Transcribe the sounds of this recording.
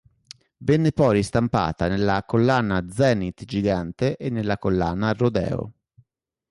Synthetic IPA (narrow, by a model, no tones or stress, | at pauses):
vɛnːepɔɾist̪ampa̰ːt̪anelːakolːaːnad̪zɛːnit̪d͡ʒiɡant̪eʔenːelːakolːa̰ːnarod̪ɛ̰ːo̰